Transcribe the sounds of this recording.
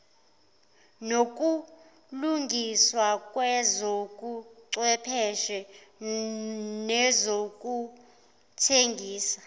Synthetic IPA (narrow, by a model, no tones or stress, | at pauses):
nok̬ʼu | luŋʱiswakʼwɛzokʼuǀwɛpʰɛʃɛ | nɛzokʼu | tʰeŋɡʱiːsḁ